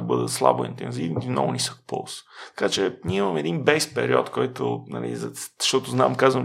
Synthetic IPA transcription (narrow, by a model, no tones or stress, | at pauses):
ɐbɤd̪əslˠa̰boḭnt̪ɛnzivnimnɔ̰ɡʊnisə̥kpo̰lˠst̪ɐ̥kat͡ʃɛniɛimɐmɛd̪inbɛspɛ̰ɾiɔt̪kɔjt̪onɐ̰lḭzɐzʃt̪ɔt̪ʊznamkazvəm